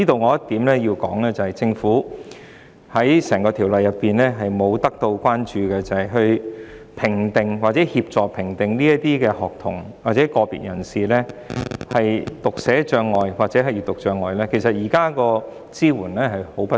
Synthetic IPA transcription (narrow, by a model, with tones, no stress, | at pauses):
t͡siː˥t̪o˧wŋɔː˨˧jɐ˥tt̪iː˨˥mlɛː˥ji˧wkɔː˨˥ŋlɛː˥t͡sɐ˨hɐ˨jt͡sɪ˧ŋfuː˨˥ | hɐ˨˥jsɛː˨˩ŋkɔː˧t̪ʰi˨˩wlɐ˨jːɐ˨pːiː˨nlɛː˥ɦɐ˨jmo˨˧wt̪ɐ˥k̚t̪o˧wkʷwaː˥nt͡ʃyː˨kɛ˧t͡sɐ˨hɐ˨jɦɵ˧ɥ | pʰɪ˨˩ŋt̪ɪ˨ŋwaː˨k̚t͡sɛː˨˥hiː˧p̚t͡sɔː˨k̚pʰɪ˨˩ŋt̪ɪ˨ŋliː˥jɐ˥t̪iː˥kɛː˧hɔː˨k̚t̪ʰʊ̰˨˩ŋ | waː˨˩t͡sɛː˨˥kɔː˧pḭ˨t̚jɐ˨˩nsiː˨lɛː˥hɐ˨jt̪ʊ˨k̚sɛː˨˥t͡ʃœː˧ŋːɔː˨jwaː˨k̚t͡sɛ˨˧˥ɦɐ˨jyː˨˩t̪ʊ˨k̚t͡ʃœː˧ŋːɔː˨jlɛː˥kʰe˨˩js̬ɐ˨t̚jiː˨˩kaː˥kɔː˧ | t͡siː˥wuː˨˩nlɛː˥ɦɐ˨jho˨˥wpɐ˥